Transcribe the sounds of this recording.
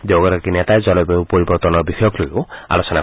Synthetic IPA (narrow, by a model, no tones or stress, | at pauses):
d̪eɡɔɾɔkinet̪aed͡ʒɔlɔbeupɔɾibɔɾt̪ɔnɔɾbisʰɔjɔklojoa̰lɔsɔna